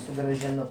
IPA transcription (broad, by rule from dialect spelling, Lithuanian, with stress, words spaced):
sʊɡrɐʒʲɪˈnʊ